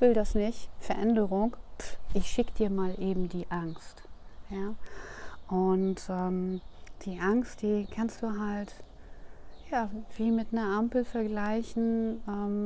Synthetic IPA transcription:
v̥ɪldasnɪçtfɛɐʔɛndəʁʊŋʔɪçʃɪkəd̥iːɐmaːlʔeːbm̩diːʔaŋstjaː | ʔʊntʔɛːmd̥iːʔaŋst̚d̥iːkʰanstd̥uːɦalt | jaːv̥iːmɪtnɐɐʔampl̩fɛɐɡlaɪçn̩ʔɛːm

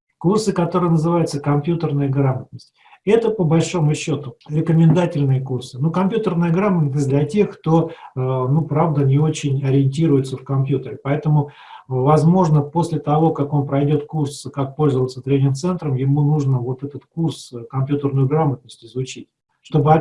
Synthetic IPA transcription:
kursɨkɐt̪o̞ɾɨjənəzɨvajʊt̪səkɐmpʲjut̪ərnəjəɡɾamət̪̚nəsʲtʲ | ɛt̪əpəbɐlʲʂo̞mʊɕːo̞t̪ʊɾʲɪkəmʲɪnd̪atʲɪlʲnɨjəkursɨnukɐmpʲjut̪ərnəjəɡɾamət̪nəsʲd̪lʲɐtʲe̞xkt̪o̞nupɾavd̪ənʲɪo̞t͡ɕɪnʲɐɾʲɪɪnʲtʲiɾʊjɪt̪səfkɐmpʲjut̪əɾʲɪpɐɛt̪əmʊ | vɐzmo̞ʐnəpo̞sʲlʲɪt̪ɐvo̞kako̞npɾɐjdʲo̞t̪̚kurskak̚polʲzəvəlt̪sət̪ɾʲenʲɪɾt̪sɛnt̪ɾəmjɪmunuʐnəvo̞t̪ɛt̪ət̪kurskɐmpʲjut̪ərnʊjʊɡɾamət̪̚nəsʲtʲɪzvʊt͡ɕit̚ʲ | ʂt̪o̞bɨɐ

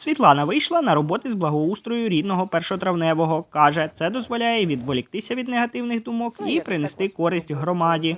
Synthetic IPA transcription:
sʲʋʲit̪lˠɑnɐʋɪjʃlˠɐnɐɾɔbɔt̪ɪzblˠɐɦɔust̪ɾɔjʊɾʲid̪nɔɦɔpɛrʃɔt̪ɾɐwnɛʋɔɦɔkɑʒɛt̪sɛd̪ɔzʋɔlʲajɛʋʲid̪ʋɔlʲɪk̚t̪ɪsʲɐʋʲid̪neɦɐt̪ɪwnɪɣd̪ʊmɔkipɾɪnest̪ɪkɔɾɪsʲtʲɦɾɔmɑdʲi

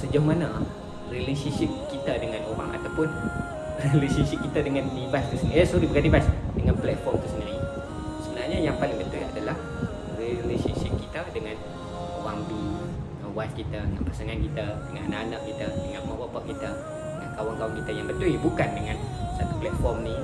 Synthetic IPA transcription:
səd͡ʒʊhmana | rilesənʃip̚kit̪adəŋanowa̰ŋʔa̰t̪awpʊn | rilesənʃip̚kit̪adəŋãnlibask̪əsəniasɔɾibəɡadibasdəŋanplɛt̪̚fɔrmk̪əsəniɾi | səbənaɲaɲapat̚jaŋbət̪uia̰dalah | rilesənʃip̚kit̪adəŋan | owaŋbi | awaskit̪adəŋanpasaŋankit̪adəŋã̰nananaʔkit̪adəŋãnmawapaʔkit̪a | dəŋankawaŋkawaŋkit̪ajaŋbət̪uibukandəŋansat̪uplɛt̪̚fɔrmni

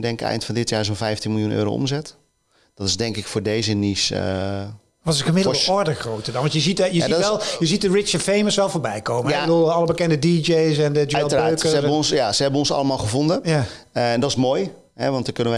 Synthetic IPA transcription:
dɛŋkɛ̰jntfɔndɪtjaːs̬onfɛjftinmɪlˠjunʔø̰ːɾo̰wʔo̰mzɛt | d̥ɔtɪszdɛŋkɪkfʊːɹdejzənisə̰ | ʋɔtɪsxəmɪdl̩ˠɔɹdəxrowtədɑnʋɑntjəzitjəadɛlˠjəzit̚dərɪt͡ʃəfejməsʋɛlˠfoːɹbɛjkowməjaɛədulˠɑləbəkɛndədid͡ʒejs̬ɛndəd͡ʒɛlˠtəraːøːtkəsəɛəɔnsjasəhɛbənɔnsɑ̰lˠəmaːlˠχəvondənjaɛndɔtɪsmoːj | ɦɛ̰ʋɑntdəkønəʋə

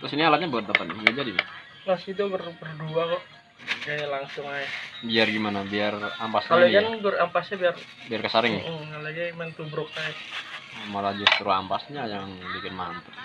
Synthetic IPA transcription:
t̪ɾʊsinialat̪̚ɲabuat̪̚d̪apaɪɡad͡ʒadima | lasit̪̬ubərbərduakɔʔ | ɡajalaŋsʊŋajabiarɡimanabiarampasɲalɛkanɡʊrampasɲabiar | biarkəsaɾɪŋalaɡaimant̪ubɾʊkːaɛ | malahd͡ʒʊst̪ɾua̰mpasɲajaŋbikɪnmant̪ʊ

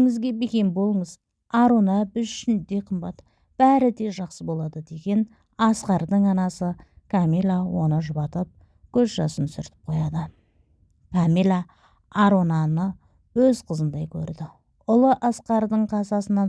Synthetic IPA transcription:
ŋɪzɡʲe̞bekʲe̞nbo̞lˠəɴəz | ɑɾo̞nɑbɪzʃɪnd̪e̞qʰəmbɑt̪ | b̥æɾɪd̪e̞ʒɑqsəbo̞lˠɑd̪əd̪e̞ɡʲe̞n | ɑsqɑɾd̪əɴɑnɑsəkʰamijlˠawo̞nəʒʊbɑt̪əp̚ | kʲʰɵzʒɑsənsʏ̰ɾt̪ɪ̥p̚qʰo̞jɑd̪ə | kʰamilˠa | aɾo̞nɑnə | wɵzqʰəzənd̪ɑjkʲʰɵ̰ɾd̪ɪ | ʊlˠəʔɑsqɑɾd̪əɴqʰɑsɑsənɑ

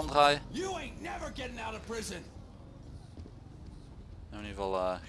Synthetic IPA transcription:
ɔndʁaːjəjɨẽɪ̃nnɛvə˞ɡɛɾɪ̃ŋaʊɾʌv̥pʰɹ̥ɪzɨ̃n | ɛbnivɑlˠə

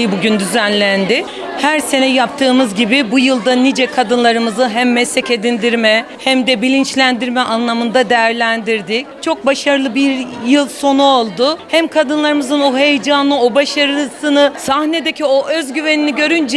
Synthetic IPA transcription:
ibuɟynd̪yzænlʲænd̪ɪ | hæɾse̞nɛjap̚t̪ʰɯːmɯzɟibibujɯlˠd̪anid͡ʒɛkʰad̪ɯnlˠaɾɯmɯzɯɦæmːɛslɛce̞d̪ind̪iɾmɛ | hæmd̪ɛbilʲint͡ʃlʲænd̪iɾmɛʔanlˠamɯnd̪ad̪ejæɾlʲænd̪iɾd̪ic̚t͡ʃʰo̞k̚baʃaɾɯlˠɯbiɾjɯlˠso̞nuo̞lˠd̪ʊhæmkʰad̪ɯnlˠaɾɯmɯzɯno̞ɦe̞jd͡ʒaːnɯo̞baʃaɾɯsɯnɯsahne̞d̪ecʰio̞ʔø̞zɟyve̞niniɟø̞ɾynd͡ʒɛ

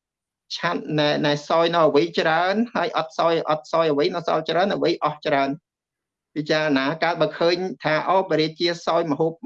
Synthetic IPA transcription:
t͡ɕʰat̪̚naɛnaɛsaːjnɔwəʋɨjt͡ɕraənhaəjʔɑt̪̚saɔjʔɑt̪̚saɔjəʋɨjnɨsɑ̰lt͡ɕraənʔəʋɨjʔɑht͡ɕraən | pit͡ɕaːɾənaːkaət̪̚ɓakʰəːɲt̪ʰaːʔɔːpəɾiəc̚t͡ɕiəsaɔjməɦop̚

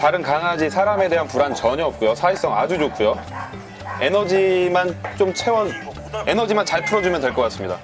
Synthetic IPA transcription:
taɾɯnkaŋɦad͡ʑisʰaɾame̞de̞ɦanpuɾant͡ɕʌɲʌʌp̚k͈ujosʰais͈ʌŋa̰d͡ʑud͡ʑok͈ʰujo | e̞nʌd͡ʑimant͡ɕomt͡ɕʰe̞wʌ | enʌd͡ʑimant͡ɕaɭpʰɯɾʌd͡ʑumjʌnte̞ɭk͈ʌk͈as͈ɯmɲida̰

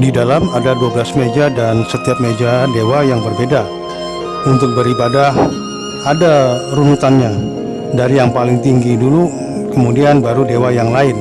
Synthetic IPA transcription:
didalamadaduabəlasmed͡ʒadansət̪iap̚med͡ʒadewajaŋbərbeda | unt̪ʊk̚bəɾibada | adarunuk̪anɲa | daɾijaŋpalɪŋt̪iŋɡidulu | kəmudianbaɾudewajaŋlaɪn

